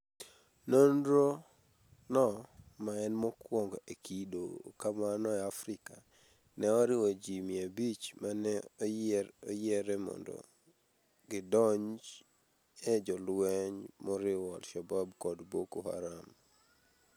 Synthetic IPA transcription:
nondɾo | nɔmaɛnmɔkwɔŋɡɔekʰidokamanɔɛafɾɪka | nɛɔɾɪwɔd͡ʒimɪabit͡ʃmanɛɔɔjɛɾɛmɔ̰ndɔ̰ | ɡɪdɔɲd͡ʒ | ed͡ʒɔlwɛɲmɔɾɪwɔalʃababkɔdbokoha̰ɾam

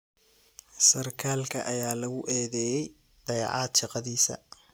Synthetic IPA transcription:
sɐrkʰaːlkʰɐ̰ʔɐjaːlɐɣʊʔɛːðɛːjɛj | ɖ̪̥ɐjɑ̰ʕɑːd̪ʃɑqɑðiːsɐ̰

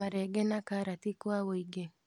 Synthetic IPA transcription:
aɾɛɡɛnakaɾatikwawoiɡe

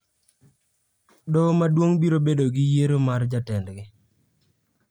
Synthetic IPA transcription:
dɔmadwoŋbiɾobedoɡɪjeɾomard͡ʒatɛndɡɪ

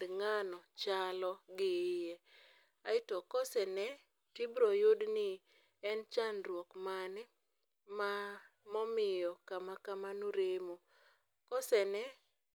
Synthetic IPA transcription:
ŋanɔt͡ʃalɔɡɪje | aɪtɔkɔsɛnɛ | tibɾɔjodnɪ | ɛnt͡ʃanɾwɔkmanɛ | ma | mɔmɪjɔkamakamanoɾemo | kɔsɛnɛ

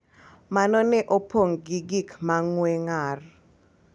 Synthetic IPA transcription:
manɔnɛʔopoŋɡiɡikmaŋwɛŋar

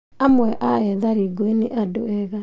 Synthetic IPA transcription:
amwɛʔaɛðaɾiɡoeneʔadoɛɣa

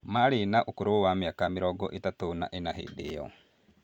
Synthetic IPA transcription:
maɾenaʔokoɾowamjakamiɾɔɡɔ̰ʔetatona̰ʔenaɦḛdejɔ̰

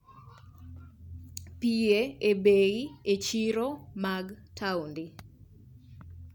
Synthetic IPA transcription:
pieebeɣiet͡ʃiɾomaɡtʰaundi

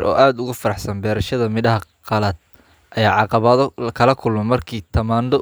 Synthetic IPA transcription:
ɾʔɔ̰ːʔaːd̪ʊɣʊfɐɾɑħsɐnbɛːɾɐʃɐðɐmɪdɐɦɐqɑlɐd̪̚ | ʔɐjaːʕɑqɑβɐðkʰɐlɐkʰʊlmɛmɐrkʰiːt̪ʰɐmaːnd̪ɔ

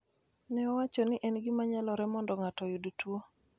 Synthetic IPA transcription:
nɛɔwat͡ʃɔnɪʔɛnɡɪmaɲalɔɾɛmɔndɔŋatɔjudutwo

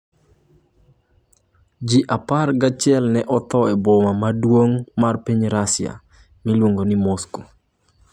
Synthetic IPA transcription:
d͡ʒiʔaparɡat͡ʃɪɛlnɛʔɔt̪ɔɛbomamadwoŋmarpiɲɾasja̰ | milwoŋɡonimosko̥

